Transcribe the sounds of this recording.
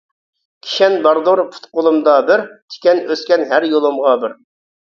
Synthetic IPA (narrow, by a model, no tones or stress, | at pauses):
kʲʰi̥ʃɛnbɑɾd̪oɾpʰu̥t̪qʊlˠɨmd̪ɑbɪɾt̪ʰɪ̥kʲɛnøskʲɛnɦæɾjolˠɨmʁɑbɪɾ